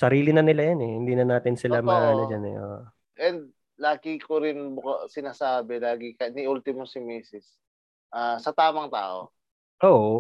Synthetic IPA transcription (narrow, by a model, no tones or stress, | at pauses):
sɐɾiːlɪnɐnɪlajanɛhɪnd̪iːnɐnaːt̪ɪnsɪlamɐʔaːnɐd͡ʒanɛ̰ʔoʔ | ʔɛnd̪̚ | laːɡɪkoɾɪnbʊkasɪnaːsaːbɛlaːɡɪkɐnɪʔult̪ɪmosɪmiːsɪs | ʔaːsɐt̪aːmɐŋt̪a̰ːʔo̰ | ʔoːʔ